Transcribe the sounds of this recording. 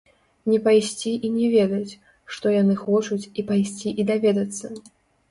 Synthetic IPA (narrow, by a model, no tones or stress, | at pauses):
nʲɛpajsʲt͡sʲiʔinʲɛvʲɛd̪ɐt͡sʲ | ʂt̪ɔjanɨxɔt͡ʂut͡sʲipajsʲt͡sʲiʔid̪avʲɛd̪ɐt̪sːɐ